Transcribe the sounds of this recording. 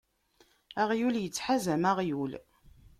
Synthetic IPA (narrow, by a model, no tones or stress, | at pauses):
aʁjuljət͡sːħazæmaʁjul